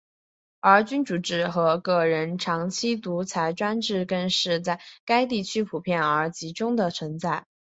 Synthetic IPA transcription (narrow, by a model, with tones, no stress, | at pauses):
ə˞˧˥t͡ɕy˥nʈ͡ʂu˨˩ʈ͡ʂɻ̩˥˩xɤ˧˥kɤ˥˩ɻə˧˥nʈ͡ʂʰɑ˧˥ŋt͡ɕʰi˥t̪u˧˥t͡sʰa˧˥ɪʈ͡ʂwa˥nʈ͡ʂɻ̩˥˧kə˥˧nʂɻ̩˥˧t͡sa˥˩ɪka˥ɪt̪̬i˥˩t͡ɕʰy˥pʰu˨˩pʰjɛ˥˩nə˞˧˥t͡ɕi˧˥ʈ͡ʂʊ˥ŋd̪ə˨t͡sʰə˧˥ŋt͡sa˥˩ɪ